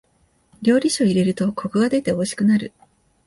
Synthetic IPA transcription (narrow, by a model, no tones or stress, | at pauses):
ɾʲo̞ːɾʲiɕo̞iɾe̞ɾɯ̟t̪o̞kʰo̞kɯ̟ɡad̪e̞t̪e̞oɕi̥kɯ̟naɾɯ